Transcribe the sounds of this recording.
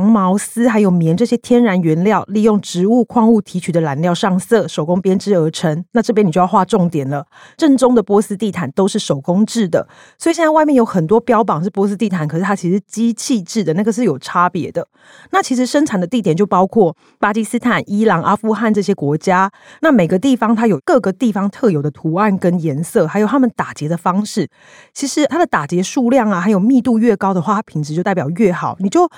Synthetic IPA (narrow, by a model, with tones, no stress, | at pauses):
ŋmɑ˧˥ʊs̩˥xa˧˥ɪjo˨˩ʊmjɛ˧˦nʈ͡ʂɤ˥˩ɕjɛ˥t̪ʰjɛ˥nɻa˧˥nɥɛ˧˥nljɑ˥˨ʊli˥˧jo˥˩ŋʈ͡ʂɻ̩˧˥u˥˧kʰwɑ˥˧ŋu˥˩t̪ʰi˧˥t͡ɕʰy˨˩d̪ə˩˦la˧˥nljɑ˥˧ʊʂɑ˥˧ŋsɤ˥˩ʂo˨˩ʊko˥ŋpjɛ˥nʈ͡ʂɻ̩˥ə˧˥ʈ͡ʂʰə˧˥ŋna˥˧ʈ͡ʂɤ˥˩jni˨˩jjxwa˥˧ʈ͡ʂʊ˥˩ŋt̪jɛ˨˩nlə˩ʈ͡ʂə˥˩nʈ͡ʂʊ˥ŋd̪ə˨pwɔ˧˥sɨ˥t̪i˥˩t̪ʰa˨˩nt̪o˥ʊʂɻ̩˥˩ʂo˨˩ʊkʊ˥ŋʈ͡ʂɻ̩˥˩d̪ə̰˩ | swɔ˧˥i˨ɕjɛ˥˧nt͡swa˥˧ɪmjɛ˥˩njo˧˥ʊxə˨˩nt̪wɔ˥pjɑ˥ʊpɑ˨˩ŋʂɻ̩˥˩pwɔ˧˥sɨ˥t̪i˥˩t̪ʰa˨˩nkʰə˨˩ʂɻ̩ʰ˥˩a˥t͡ɕʰi˧˥ʂ̩˧˥˩t͡ɕi˥t͡ɕʰi˥˧ʈ͡ʂɻ̩˥˩d̪ə˩na˥˩ɡə˩ʂɻ̩˥˩jo˨˩ʊʈ͡ʂʰa˥pjɛ˧˥d̪ə˨ | na˥˩t͡ɕʰi˧˥ʂ̬ɻ̩˧˥ʂə˥nʈ͡ʂʰa˨˩nd̪ə˩t̪i˥˩t̪jɛ˨˩nt͡ɕo˥˩ʊpɑ˥ʊkʰwɔ˥˩ | pa˥t͡ɕi˥sɹ̩˥t̪ʰa˨˩ni˥lɑ˧˥ŋʔa˥fu˥˧xa˥˧nʈ͡ʂɤ˥˧ɕ̬jɛ˥kwɔ˧˥t͡ɕja˥na˥˩me˨˩ɪɡə˩˦t̪i˥˩fɑ˥ŋt̪ʰa˥jo˨˩ʊkɤ˥˩ɡə˩t̪i˥˩fɑ˧˥ŋt̪ʰɤ˥˩jo˨˩ʊd̪ə˩t̪ʰu˧˥a˥˩nkə˦njɛ˧˥nsɤ˥˩xa˧˥ɪjo˨˩t̪ʰa˥mə˨nt̪a˨˩t͡ɕjɛ˧˥d̪ə˧fɑ˥ŋʂɻ̩˥˩ | t͡ɕʰi˧˥ʂɻ̩˧˥t̪ʰa˥d̪ə˨t̪a˨˩t͡ɕjɛ˧˥ʂu˥˧ljɑ˥˩ŋa˩xa˧˥ɪjo˨˩ʊmi˥˧t̪u˥˧ɥɛ˥˩kɑ˥ʊd̪ə˨xwa˥˩a˥pʰi˨˩ŋʈ͡ʂɻ̩˧˦jo˥˧ʊ˥˩pjɑ˨˩ɥɛ˥˩xɑ˨˩˦ʊni˨˩t͡ɕjo˥˩ʊ